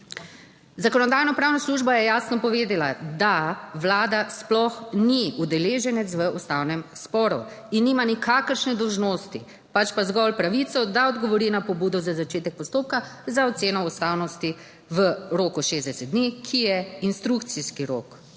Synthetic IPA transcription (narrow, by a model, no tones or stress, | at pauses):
zakɔnɔd̪aːjnɔpɾaːwnasluʒbajɛjaːsnɔpɔʋeːd̪ɛlad̪aʋlaːd̪asplɔxniud̪ɛleːʒɛnɛt̪sʋəust̪aːwnɛmspɔːɾṵ | inːiːmanikʰaːkəɾʃnɛd̪ɔwʒnoːst̪ḭ | pat͡ʃpazɡɔlpɾaʋit̪sɔd̪aɔd̪ɡɔʋɔɾinapɔbuːd̪ɔzazat͡ʃeːt̪ɛk̚pɔst̪oːp̚kazaɔt̪seːnɔust̪aːwnɔst̪i | ʋəɾoːkuʃeːzd̪ɛsɛt̪̚d̪nikʰijɛinst̪ɾuk̚t̪siskiɾo̰ːk